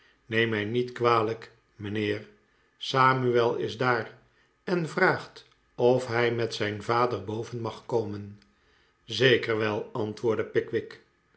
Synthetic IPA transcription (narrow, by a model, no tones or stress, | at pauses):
nejmɛjnitkʋaːlək | mənɪːr | saːmyɛlˠɪ̰zdaːr | ɛnvraːχt | ɔfɦɛjmɛtsɛjnvaːdəɹbowvənmɑχkowmən | zejkəɹʋɛlˠɑntʋʊːɹdəpɪkʋɪk